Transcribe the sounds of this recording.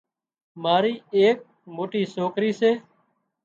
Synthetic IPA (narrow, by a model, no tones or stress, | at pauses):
maːɾiːeːk̚ | moːʈiːsoːkɾiːseː